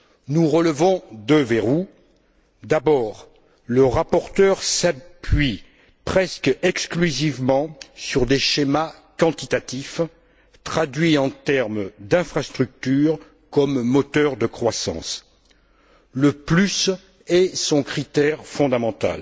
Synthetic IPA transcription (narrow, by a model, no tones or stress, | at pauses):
nuʁələvɔ̃d̪əveʁu | d̪abɔːʁ | ləʁapɔʁt̪œʁsapɥi | pχɛskɛksklyzivmɑ̃syʁd̪eʃema | kɑ̃t̪it̪at̪if | t̪χad̪ɥiɑ̃t̪ɛʁmd̪ɛ̃fχast̪χyk̚t̪yʁ | kɔmːɔt̪œʁd̪əkχwasɑ̰̃s | ləplys | ɛsɔ̃kχit̪ɛʁfɔ̃d̪amɑ̃t̪a̰l